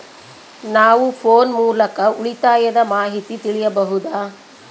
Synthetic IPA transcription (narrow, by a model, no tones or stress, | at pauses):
naːʋupʰoːnmuːlɐkɐuɭit̪aːjɐd̪ɐmaːɦit̪it̪iɭijɐbɐɦud̪aː